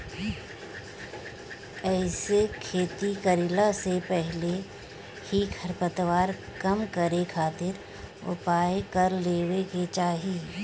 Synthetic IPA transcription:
ɛːsekʰeːt̪ikəɾɪlasepɛɦle | hiɡʰʱəɾpət̪ʋaːɾ | kəmkəɾekʰaːt̪ɪɾ | ʊ̰paːekɐɾleːweket͡ʃaːɦieː

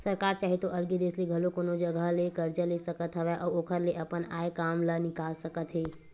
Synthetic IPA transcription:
sɐɾkaːɾt͡ʃaːɦet̪oʔɐlɡed̪eːsliɡʱɐlokoːnod͡ʒɐɡəɦlekəɾd͡ʒəlesɐkət̪ɦəʋeʔɔːoːkʰəɾleʔɐpəna̰ːekaːmlənɪkaːlsəkət̪ɦeː

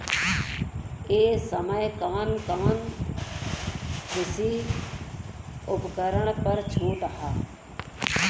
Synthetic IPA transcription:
eːsəməjkɐʋənkəʋən | k̪ɪsi | ʊpkəɾəɽ̃pəɾt͡ʃʰuːʈ̪əɦaː

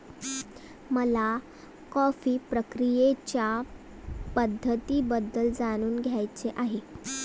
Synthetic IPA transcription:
məla | kɔfiːpɾəkɾijet͡ɕja | pəd̪ʱːət̪iːbəd̪ːəld͡zaɽ̃uːnɡʱjajt͡seʔaɦe

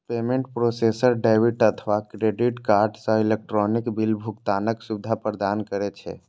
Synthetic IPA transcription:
pemẽɳʈpɾosesəɾɖabiʈət̪ʰəʋakɾeɖiʈkaɾɖsə̃ilek̚ʈɾɔnikbilbʱukt̪anəksubid̪ʱapɾəd̪ankəɾɛt͡ʃʰɛ̰

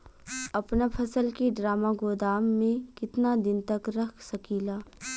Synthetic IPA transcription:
ɐpnapʰɐsəlkiɖɾaːmaɡoːd̪aːmːẽkɪt̪nad̪ɪnt̪ɐkɾɐkʰsɐkilaː

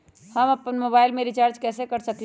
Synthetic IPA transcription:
hɐmɐpənmoːbaːɪlmẽɾɪt͡ʃaːɾt͡ʃkɛːsekɐɾsɐk

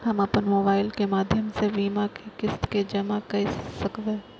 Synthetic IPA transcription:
ɦɐmɐpənmoːbaːɪlkemaːd̪ʱjəmseʋiːmakekɪst̪ked͡ʒɐmakɐisɐkʋeː

